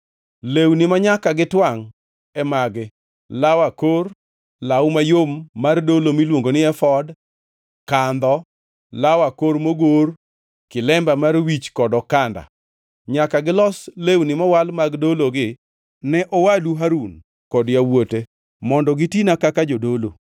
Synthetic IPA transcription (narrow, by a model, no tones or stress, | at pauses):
lewnɪmaɲakaɡɪtwaŋ | ɛmaɡɪ | lawakor | lawmajomːardolomilwoŋɡonɪɛfɔd | kand̪ɔ | lawakoɾmoɡor | kɪlɛmbamarwit͡ʃkɔdɔkanda̰ | ɲakaɡɪlɔslewnɪmawalmaɡdoloɡɪ | nɛʔɔwaduɦaɾun | kɔdjawote | mɔndɔɡɪtinakakad͡ʒodolo̰